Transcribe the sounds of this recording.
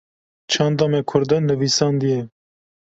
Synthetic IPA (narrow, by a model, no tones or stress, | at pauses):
t͡ʃʰɑːnd̪ɑːmɛkʰʊɾd̪ɐnɨvisɑːnd̪ijɛ